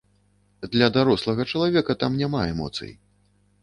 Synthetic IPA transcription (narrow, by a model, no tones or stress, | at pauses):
d̪lʲɐd̪aɾɔslˠɐɣɐt͡ʂɐlˠavʲɛkɐt̪amnʲamaɛmɔ̰t̪sɨ̰j